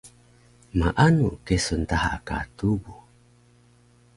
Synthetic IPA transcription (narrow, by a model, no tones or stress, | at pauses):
maʔanukesont̪aha̰ka̰tubu